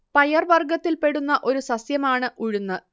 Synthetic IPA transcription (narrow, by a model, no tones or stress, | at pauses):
pɐjɐrʋɐrɡɐt̪ːilpe̞ɽunːɐʔo̞ɾusɐsjɐmaːɳɨʔuɻunːɨ